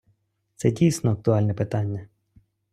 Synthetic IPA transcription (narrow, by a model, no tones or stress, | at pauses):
t̪sɛdʲijsnɔɐk̚t̪ʊalʲnɛpɪt̪anʲːɐ